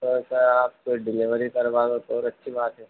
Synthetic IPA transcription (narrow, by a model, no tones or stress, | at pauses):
osaaːp̚koɖɪlɪʋəɾikɐɾʋaːzot̪ɔːɾɐtːʃʰibaːt̪ɦɛ